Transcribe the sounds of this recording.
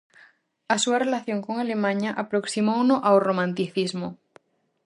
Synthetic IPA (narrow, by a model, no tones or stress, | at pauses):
asuarelaθjo̞ŋkoŋale̞mãɲaʔapɾoksimownoʔawromãnt̪iθizmo